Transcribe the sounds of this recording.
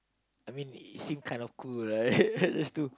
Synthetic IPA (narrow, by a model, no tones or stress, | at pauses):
ajmĩnḭtsĩmkʰãɪ̃ndɔfkʰuɹad͡ʒastu